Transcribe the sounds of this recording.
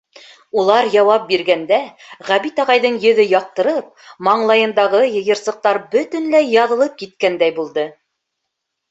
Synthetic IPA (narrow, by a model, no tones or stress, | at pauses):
ulˠɑɾjɑwɑp̚biɾɡænd̪æ | ʁæβit̪ɑʁɑjðɤɴjɵ̆ðɵjɑq̚t̪ɤ̆ɾɤp̚mɑɴlˠɑjɤ̆nd̪ɑʁɤjɤ̆jɤ̆ɾsɤ̆q̚t̪ɑɾbɵt̪ɵ̆nlæjɑðɤ̆lˠɤp̚kit̪̚kænd̪æjbulˠd̪ɤ